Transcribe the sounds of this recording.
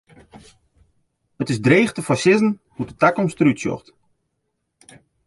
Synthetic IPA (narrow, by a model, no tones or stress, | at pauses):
ətɪzdreːχtəfasɪzn̩hutətakɔmstrytsjɔ̰χt